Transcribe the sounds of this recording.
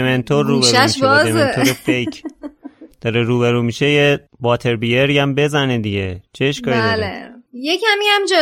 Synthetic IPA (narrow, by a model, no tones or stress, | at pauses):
ement̪ʰoɾːuːbeɾuæmiʃʃɒemzeent̪ʰoɾefejcʰ | d̪̥ɒːɾeɾuːβeɾuːmiʃeje | bɒːt̪ʰe̞ɾbijeɾiæmbe̞zæned̪iɟet͡ʃʰeːʃkɒːid̪lejecʰæmiæmd͡ʒɒ